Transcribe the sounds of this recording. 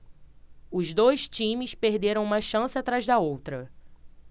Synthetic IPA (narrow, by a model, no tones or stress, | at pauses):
ʊzd̪ojʃt͡ʃĩmɪspehd̪eɾɐ̃w̃ũmɐʃɐ̃sɪat̪ɾazd̪ɐowt̪ɾɐ